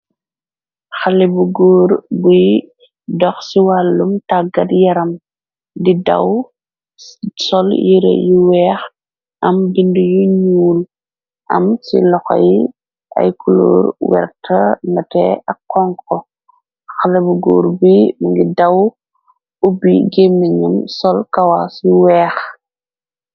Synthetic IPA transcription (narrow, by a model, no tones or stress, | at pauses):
xalibuɡɔːɾbuj | dɔxsiwalːumtaɡɐdjɐɾɐm | didɐ̰w | sɔljiɾḛjuwɛːx | ʔɐmbindujuɲuːl | ʔɐ̰msḭlɔxa̰j | ʔɐ̰jkulo̰ːɾwɛ̰ɾtʰɐnɐtɛ̰ʔɐkːɔŋkɔ | xalɐbuɡo̰ːɾbimuŋɡidaw | ubiɡemːiɲamsɔlkawasjiwɛːx